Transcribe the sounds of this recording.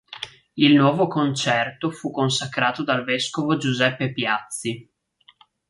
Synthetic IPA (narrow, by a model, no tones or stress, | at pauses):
ilnwɔːvokont͡ʃɛrt̪ofukːonsakɾaːt̪od̪alveskovod͡ʒuzɛpːepjat̪sːi